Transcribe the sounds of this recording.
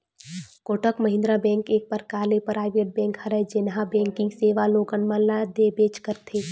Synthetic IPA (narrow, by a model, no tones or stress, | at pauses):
koːʈəkməɦɪ̃nd̪ɾabɛ̃ːŋkeːk̚pəɾkaːlepɾaːɪʋeʈ̚bɛ̃ːŋkhəɾɛd͡ʒɪnɦãbɛ̃ːŋkɪ̃ŋɡseːʋaloːɡənmãlad̪ebeːt͡ʃkəɾt̪ʰeː